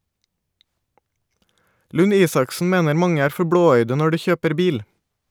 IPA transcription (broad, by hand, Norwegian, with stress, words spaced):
lʉˈniːsɑksn̩ ˈmeːnəɾ ˈmɑŋə ˈæːɾ ˈfɔɾ ˈbɽoːˌœʏdə ˈnɔ ˈɖiː ˈçøːpəɾ ˈbiːl